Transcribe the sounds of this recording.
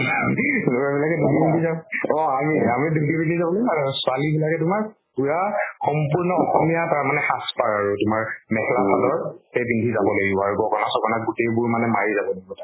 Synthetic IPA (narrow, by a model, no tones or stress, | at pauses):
duɹabilakɛdudibindʱizabɔ̃amiamidudibindʱizabɔlojasʊalibilakɛtʊmaɹ | puɹaxɔmpuɹnɔɔxɔmijataɹmanɛxaspaɹaɹutʊmaɹmɛhɛlakadɔɹhejbindʱizabɔlojɡiɔaɹuɡɔkɔnasɔkɔnat̚ɡutejbʊɹmanɛmaɹizabɔloiɡɔta